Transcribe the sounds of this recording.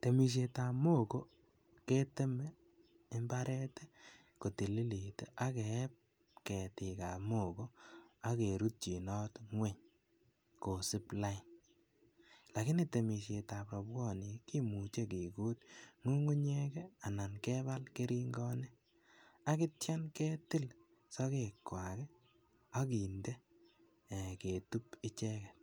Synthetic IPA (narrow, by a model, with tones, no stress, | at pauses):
te˨mi˨ʃ̬e˨ta˨mo˦˨ko˦ | ke˦tɪ˦mɛː˦ | mba˦ɾɛ˦tɛ | ko˨ti˨li˦li˨te˨ʔa˦kɛ˨˦p̚ | kɛ˨tɪ˨ka˨mo˦˨ko˦a˦ke˨ɾu˦t̚t͡ʃi˨nɔ˦tŋwe˦ɲ | ko˨sɪ˦pla˦ɪ˨n | la˨kɪ˦nɪte˨mi˨ʃe˨ta˨pɾɔ˨bɡɔ˦˨nɪ˨ki˦mu˨t͡ʃe˦ki˨ku˦t̚ŋu˦ŋu˦ɲɛ˦kɛa˨na˨nkɛ˦ba˦lke˦ɾi˦ŋɡɔ˦nɛ˦ | a˦kɪ˦tja˦nkɛ˦tɪ˦l | sɔ˦ke˨kwa˨kɛ˦ | a˦ki˨nde˦˨ | ke˨tu˦pɪ˦t͡ʃɛ˦kɛ˨t